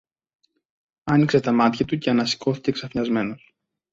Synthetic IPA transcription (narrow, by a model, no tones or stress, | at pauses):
ɐnikse̞t̪ɐmɐt̪çɐt̪uceɐnɐsi̥ko̞θi̥ce̞ksɐfɲɐzme̞no̞s